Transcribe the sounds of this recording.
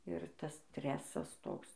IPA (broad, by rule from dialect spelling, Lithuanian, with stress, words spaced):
ɪr ˈtɐs ˈsʲtʲrʲæːsɐs ˈtoːks